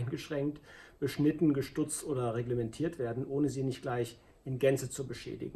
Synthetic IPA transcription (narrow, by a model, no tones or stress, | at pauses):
ɪnɡəʃʁ̥ɛŋktb̥əʃnɪtn̩ɡəʃtʊt͡stʔoːdɐʁeɡləmɛntʰiːɐtv̥eːɐdn̩ʔoːnəziːnɪçt̚ɡ̥laɪç | ɪnɡɛnt͡sət͡subəʃɛ̰ːdɪ̰ɡŋ̩